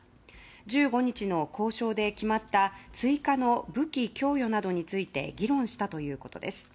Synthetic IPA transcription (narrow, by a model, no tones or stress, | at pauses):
d͡ʑɨːɡo̞ɲ̟it͡ɕino̞ko̞ːɕo̞ːd̪e̞kʲimat̪ːat͡sɨikano̞bɯ̟kʲikʲo̞ːjo̞nad̪o̞ɲ̟it͡sɨit̪e̞̰ɡʲiɾõ̞ɰ̃ɕi̥t̪at̪o̞jɯ̟ːko̞t̪o̞̰d̪e̞̰sɨ̥